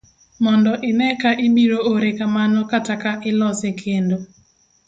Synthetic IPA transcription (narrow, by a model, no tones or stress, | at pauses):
mɔndɔʔɪnɛkaʔɪbiɾooɾekamanɔkatakaʔɪlɔsekʰendo